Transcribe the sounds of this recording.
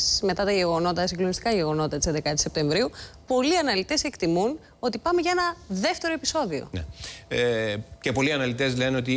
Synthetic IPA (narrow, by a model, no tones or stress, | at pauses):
sme̞t̪ɐt̪ɐʝe̞ɣo̞no̞t̪ɐsiŋɡlo̞nist̪i̥kɐʝe̞ɣo̞no̞t̪ɐt̪isend̪kɐt̪ise̞p̚t̪e̞ɱvɾiupo̞liɐnɐlit̪e̞se̞kt̪imun | o̞t̪ipɐme̞ʝɐe̞nɐðe̞ft̪e̞ɾoepiso̞ðio̞̰nḛ | cepo̞liɐnɐlit̪e̞zleno̞t̪i